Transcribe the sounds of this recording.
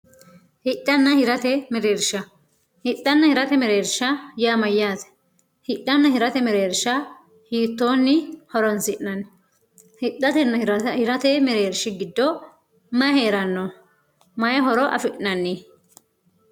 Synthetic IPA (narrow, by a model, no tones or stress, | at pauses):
hɪᶑːɐnːɐhɪɾɐt̪ɛmɛɾeːɾʃɐ | hɪɗːɐnːɐhɪɾɐt̪ɛmɛɾeːɾʃɐjaːmɐjːaːt̪ɛ̥ | hɪɗːɐnːɐhɪɾɐt̪ɛmɛɾeːɾʃːɐ | hiːt̪ːoːnːɪhɔɾɔnsɪʔnɐn | hɪᶑːɐt̪ɛnːɐhɪɾɐt̪ɛmɛɾeːɾʃɪɡɪd̪ːɔ | mɐheːɾɐnːɔ | mɐjɐɦɔɾɔʔɐ̰fɪʔnɐnːɪ